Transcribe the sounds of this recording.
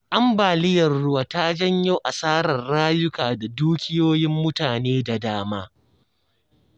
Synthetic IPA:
ʔa˦mbaː˨lɪ˦jɐ˨rɽʊ˦waː˨ta˦d͡ʒɐ˦ɲjo˦ʔa˨saː˦ɾɐ˨rːaː˦jʊ˦kaː˨da˨duː˦kʲɪ˦joː˦jɪ˦mːʊ˦taː˨neː˦da˨daː˦maː˦

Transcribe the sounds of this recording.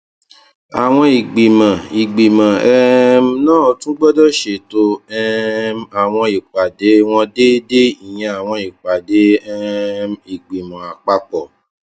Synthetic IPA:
a˨w̃ɔ̃˧i˨ɡ͡bi˨mã˨i˨ɡ͡bi˨mã˨ɛ˦m˦nãː˦˨tũ˦ɡ͡bɔ˦dɔ˦ʃe˨to˧ɛ˦ma˨w̃ɔ̃˧i˨k͡pa˨de˨˦w̃ɔ̃˧de˦de˦i˨j̃ɛ̃˧a˨w̃ɔ̃˧i˨k͡pa˨de˨˦ɛ˦mi˨ɡ͡bi˨mã˨a˨k͡pa˧k͡pɔ˨

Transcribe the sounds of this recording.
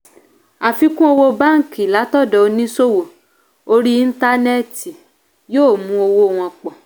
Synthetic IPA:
a˨fi˧kũ˦o˧wo˧ba˦ŋ̩˨ki˨la˨˦tɔ˦˨dɔ˨˧nĩ˦so˦˨wo˨ | o˧ɾi˦i˧n̩˦ta˧˦nɛ˦˨ti˨ | joː˦˨mũ˧˦o˧wo˧˦˧w̃ɔ̃˧k͡pɔ˨

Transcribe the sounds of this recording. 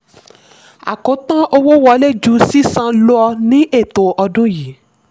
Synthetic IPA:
a̰˨ko˨˦tã˦ʔo˧wo˦wɔ˧˦le˦˨d͡ʒu˨˦si˦sã˧lo˦ɔ˧nĩ˨˦ʔe˦˨to˨ʔɔ˧dũ˦ji˨˦

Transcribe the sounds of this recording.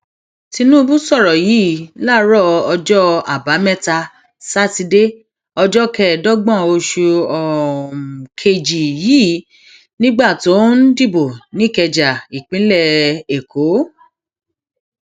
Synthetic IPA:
ti˧nũ˦˧bu˦sɔ˦˨ɾɔ˨jiː˨˦˨la˦˨ɾɔ˦˨ɔ˧d͡ʒɔ˦a˨ba˨˦mɛ˦ta˧ | sa˦ti˧de˦ | ɔ˧d͡ʒɔ˦kɛ˦˨dɔ˦ɡ͡bɔ̃˦˨o˧ʃu˧ɔ˨ | kʰe˧d͡ʒi˨jiː˦ | nĩ˦ɡ͡ba˦˨to˨˦n̩˦di˦˨bo˨nĩ˨˦˨kɛ˧d͡ʒa˨i˨k͡pĩ˨˦lɛ˦˧e˨kʰo˨˦

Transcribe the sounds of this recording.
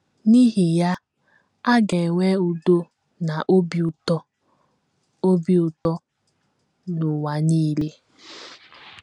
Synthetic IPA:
ni˦ɦi˨ja˦ | a˦ɡe˨we˦u˨do˦ | na˨ʔo˦bi˨u˨tɔ˦ | o˦bi˦˨ʊ˨tɔ˦ | nʊ˨wa˨niː˦le˦

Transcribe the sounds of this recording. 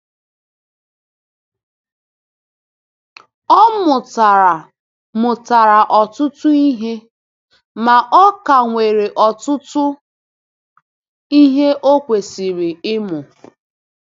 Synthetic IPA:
ɔ˦mʊ˨ta˨ɾa˨ | mʊ˨ta˨ɾa˨ʔɔ˨tʊ˦tʊ˦i˦ɦe˦ | ma˨ʔɔ˦ka˨ŋʷe˨ɾe˨ʔɔ˨tʊ˦tʊ˦ | i˦ɦe˦ʔo˦kʷe˨si˨ɾi˨ɪ˦mʊ˨

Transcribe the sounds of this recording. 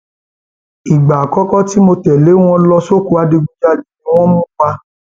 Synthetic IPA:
i˨ɡ͡ba˨kɔ˦kɔ˦ti˦mo˧tɛ˨le˨˦w̃ɔ̃˧lɔ˧so˦ku˧a˧de˧ɡ͡bũ˧d͡ʒa˦˨nĩ˨nĩ˦w̃ɔ̃˦mũ˦k͡pa˧

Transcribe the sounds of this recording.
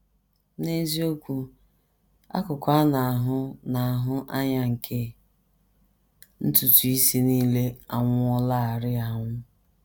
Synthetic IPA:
ne˦zi˦o˦kʷu˦ | a̰˦kʊ˨kʷa˦na˨a˨ɦʊ˦na˨a˨ɦʊ˦ʔa˦ɲa˦ŋ̩˨kʰe˦ | n̩˦tu˨tu˨i˦si˦niː˦le˦a˨ŋʷʊ˦ɔ˦la˦˨a˨ɾɪ˦a˨ŋʷʊ˦

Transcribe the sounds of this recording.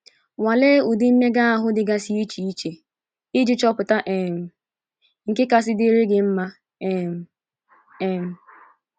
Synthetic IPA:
wa˨le˦u˨di˦m̩˦me˦ɡa˦a˨ɦʊ˦dɪ˨ɡa˦si˦i˦t͡ʃi˨i˦t͡ʃe˨ | i˦d͡ʒi˦t͡ʃɔ˦pʊ˨ta˦ʔe˨m̩˨ | ŋ̩˨kɪ˦ka˦s̬ɪ˦dɪ˦ɾe˦ɡɪ˨m̩˦ma˦ | e˦˨m̩˨ | e˦˨m̩˨

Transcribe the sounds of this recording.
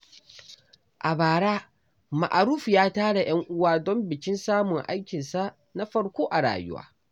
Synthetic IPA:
ʔa˨baː˨ɽaː˦ | ma̰˨ʔa˨ɾuː˦ɸjaː˦taː˦ɽa˨j̰ɐ˦ŋʔʊ˦waː˦dɔ˦mbɪ˨kʲɪ˦nsaː˦mʊ˨ŋʔa̰˦jkʲɪ˨nsa˦ | na˦ɸɐ˦ɽkʷoː˦ʔa˨ɽa̰ː˨jʊ̰˦wa̰ː˦

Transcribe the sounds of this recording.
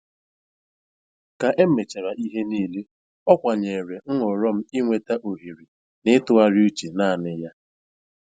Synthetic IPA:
ka˨ʔe˦m̩˦me˨t͡ʃa˨ɾa˨ʔi˦ɦe˦niː˦˨li˦ | ɔ˦kʷa˨ɲe˨ɾe˨ŋ̩˦ŋʷɔ˨ɾɔ˦m̩˦i˦ŋʷe˨ta˦ʔo˨ɦi˨ɾi˨ | nɪ˦tʊ˦a˦ɾi˦u˦t͡ʃe˨naː˦˨nɪ˦ja˦

